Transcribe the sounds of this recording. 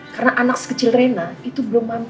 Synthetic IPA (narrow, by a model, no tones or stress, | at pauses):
karənaʔanak̚sə̥kət͡ʃɪlrenait̪ubəlʊmːam